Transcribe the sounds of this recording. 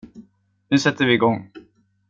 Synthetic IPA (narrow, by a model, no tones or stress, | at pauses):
nʉ̟ːsɛt̪ʰːəɾvɪːɡɔŋː